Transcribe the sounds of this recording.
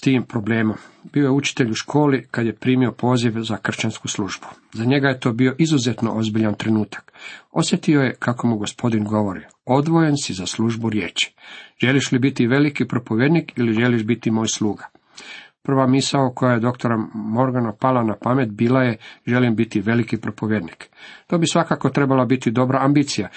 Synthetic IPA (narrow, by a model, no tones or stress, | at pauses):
t̪iːmpɾo̞ble̞ːmombio̞jeut͡ʃi̥t̪eʎuʃkʰo̞ːlikad̪je̞pɾiːmio̞pʰo̞ːziʋzakr̩ʃt͡ʃanskuslˠuʒbu̥ | zaɲe̞ɡajet̪o̞ːbio̞ʔizuzet̪noʔozbiʎant̪ɾenuːt̪ḁko̞̰sje̞t̪io̞je̞kʰako̞muɡo̞spo̞d̪inɡo̞ʋoɾḭ | o̞d̪ʋo̞jensizaslˠuʒbuɾjeːt͡ʃi̥ʒe̞liʃlibit̪iʋe̞likipɾo̞po̞ʋjed̪nikiliʒe̞liʃbit̪imo̞ːjslˠuːɡḁ | pr̩ʋamisaokʰo̞jajed̪o̞kt̪o̞ɾamo̞ɾɡanapalanapame̞t̪biːlajeʒe̞limbit̪iʋe̞likipɾopo̞ʋjed̪nikt̪obisʋakako̞t̪ɾebalabit̪id̪o̞bɾaambiːt̪sija